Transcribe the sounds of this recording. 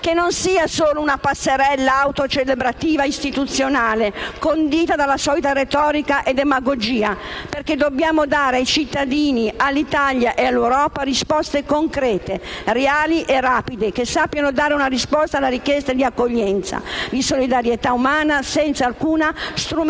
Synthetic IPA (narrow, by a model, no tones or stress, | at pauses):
k̟enːonsiːasoːlounapasːeɾɛlːaːwt̪ot͡ʃelebɾat̪iːvaist̪it̪ut̪sjonaːlekond̪iːt̪ad̪alːasɔːlit̪aɾet̪ɔːɾikaʔed̪emaɡod͡ʒiːaperked̪objaːmod̪aːɾeajt͡ʃit̪ːad̪iːnialːit̪aʎjaʔealːewɾɔːparispɔst̪ekoŋkɾɛːt̪ereaːliʔeraːpid̪ekesapːjanod̪aːɾeunarispɔst̪aːlːaɾikjɛst̪ad̪iakːoʎːɛnt̪sa̰d̪isolid̪aɾjet̪aumaːnasɛnt̪saːlkuːnast̪ɾu